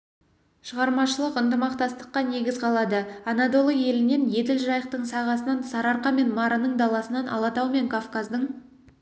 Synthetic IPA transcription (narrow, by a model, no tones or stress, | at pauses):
ʃəʁɑɾmɑʃəlˠəqənt̪əmɑqt̪ɑst̪ə̥qːɑne̞ɡʲɪzqʰɑlˠɑd̪əɑnɑd̪o̞lˠəje̞lɪne̞nje̞d̪ɪlʒɑjəq̚t̪əɴsɑʁɑsənɑnsɑɾɑɾqɑme̞nmɑɾənəɴd̪ɑlˠɑsənɑnʔɑ̰lˠɑt̪ɑwme̞ŋkʰofkazd̪əɴ